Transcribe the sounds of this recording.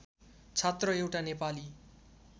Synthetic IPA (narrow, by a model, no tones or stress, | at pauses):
t͡sʰʌt̪rʌewʈanepali